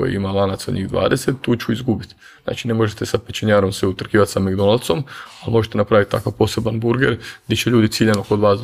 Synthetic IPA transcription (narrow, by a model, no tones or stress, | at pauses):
o̰jḭimalˠanat̪sod̪ɲḭɣd̪ʋa̰ːd̪eset̪ːuːt͡ɕuizɡubit̪ | na̰ːt͡ʃine̞mo̞ʒet̪esapet͡ʃeɲaːɾo̞msʋeut̪r̩kiːʋat̪sameɡd̪o̞nalˠt̪so̞malmo̞ʒet̪enapɾaʋit̪̚t̪akaʋpo̞ːse̞banbuɾɡeɾɡd̪jet͡ɕeʎuːd̪it̪siːʎenoko̞d̪ʋaːs